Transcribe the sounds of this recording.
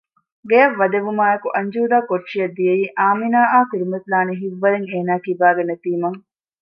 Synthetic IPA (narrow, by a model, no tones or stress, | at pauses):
ɡejɐʋːɐd̪eʋumaːekuʔɐɲd͡ʒuːd̪aːkoʈːʃijɐd̪ːijeiːʔaːminaːʔaːkiɾimɐt̪laːneɦiʋːɐleŋeːnaːkibaːɡenet̪iːmɐŋ